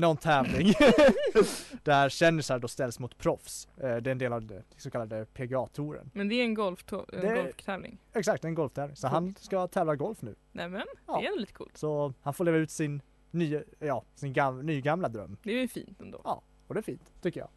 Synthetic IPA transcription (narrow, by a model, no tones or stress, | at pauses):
nɔnːt̪ʰɛːvlɪŋ | d̪̥æɾɕɛnːɪsaɖɔst̪ɛlsmʊt̪pʰɾɔfsd̪ɛɛnd̪eːlavsɔkʰalːad̪əpʰeɡɑːt̪ʰuɾə̰nmɛnd̪ɛæɾɛnɡɔlft̪ʰːɛ̰nd̪ɛɡɔlft̪ʰɛːvlɪ̰ŋɛksakt̪̚d̪ɛnɡɔlft̪ʰɛːvlɪŋsɔɦanskat̪ʰɛːvlaɡɔlfnʉ̟̰ːnɛmɛndɑːɾɛnʊliːt̪ə̥kṵːlt̪sɔhanfoːɾɭeːvaʉ̟t̪sɪnː | yːəjɑːsɪnɡanyːɡamlad̪ɾœ̰mːd̪ɛɛjfḭːnt̪ɛnd̪o̰ːɑ̰ː | ɔd̪ɛːɾfiːnt̪ʰːʏkːəjɑ̰ː